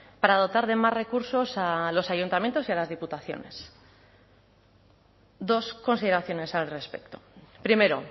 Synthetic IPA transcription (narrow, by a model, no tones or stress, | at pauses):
paɾaðo̞t̪aɾðe̞mazre̞kuɾso̞salo̞sajunt̪amjent̪o̞sialazðiput̪aθjo̞̰ne̞̰s | d̪o̞sko̞nsiðe̞ɾaθjo̞ne̞salre̞spe̞̰kt̪o̞pɾime̞ɾo̞